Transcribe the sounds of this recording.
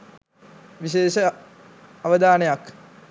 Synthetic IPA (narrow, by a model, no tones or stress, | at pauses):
ʋiɕeːʃə | ɐʋəd̪aːnejak